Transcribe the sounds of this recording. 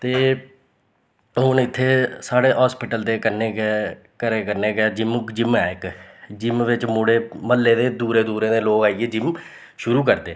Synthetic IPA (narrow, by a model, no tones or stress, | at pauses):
t̪eː | ɦʊnɪt̪ʰːeːsaːɽeːɦɔːspɪʈəld̪eːkəɾneːɡɛː | kəɾeːkəɾneːɡɛːd͡ʒɪmkd͡ʒɪmɛːɪkd͡ʒɪmʋɪt͡ʃmʊɽeːməlːeːd̪eːd̪uːɾeːd̪uːɾẽːd̪eːloːkaːieːd͡ʒɪm | ʃʊɾuːk̬əɾd̪eː